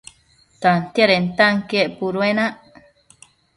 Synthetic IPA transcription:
t̪ant̪jaɾent̪aŋkeʔpuɾwenaʔ

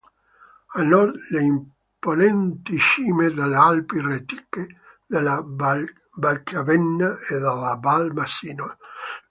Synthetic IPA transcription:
anɔleim | ponɛnt̪iʃiːmed̪alealpiret̪i̥kːe | d̪ela | balkavɛnːaed̪alabalmasiːno

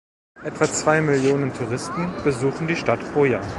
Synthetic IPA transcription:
ʔɛtv̥at͡sv̥aɪmɪljoːnəntʰuʁ̞ɪstn̩b̥əzuːχn̩diːʃtatfʁ̥oːɐjaːɐ

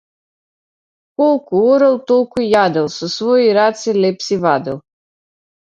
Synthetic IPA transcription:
kɔlˠkuɔɾɛlˠt̪ɔlˠkujad̪ɛlˠsusvɔiɾat̪silɛpsivad̪ɛlˠ

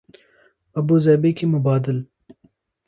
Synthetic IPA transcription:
ɐbuzɛːbekimʊbaːd̪ɪl

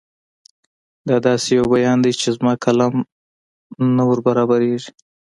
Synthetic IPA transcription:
d̪ɑd̪ɑsejawbajɑnd̪ajt͡ʃezmɑkʰalɑm | nawəɾbaɾɑbaɾeʐi

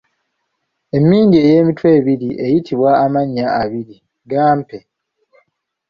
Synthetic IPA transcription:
e̞mːiːɲɡieːje̞ːmitwe̞ːβiɾiʔe̞jitiβwaːmaɲːaːβiɾi | ɡaːmpe̞

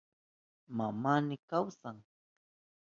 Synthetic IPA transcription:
mamaːnɪkawsaŋ

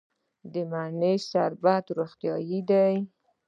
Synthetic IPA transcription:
d̪əmanesaɾbat̪ɾoxt̪jɑjid̪aj

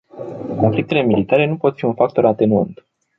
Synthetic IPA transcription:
ko̞nflik̚t̪e̞le̞milit̪aɾe̞nupo̞t̪fiunfak̚t̪o̞ɾat̪e̞nuə̰nt̪

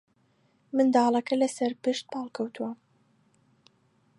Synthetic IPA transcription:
mɨnd̪ɑːlˠɐkɐlɐsɐɾpɨʃt̪̚pʰɑːlˠkʰɐwt̪ʰuwɐ

